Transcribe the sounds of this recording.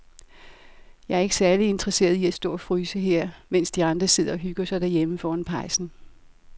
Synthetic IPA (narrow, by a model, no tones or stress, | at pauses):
jɑ̈ɪæɐe̝ɡ̥ə̥sæɐlie̝nd̥ʁɐse̝̰ːɐðˠiæ̥sd̥ɔ̰̽ːɒfʁyːsəɦe̝ɐ̰men̰sd̥iɑ̈nd̥ʁɐse̝ð̞̰ˠɐɒ̽ɦyɡ̥ɐsɑ̈ɪd̥æɐjeməfɒːɒnpʰɑ̈ɪsn̩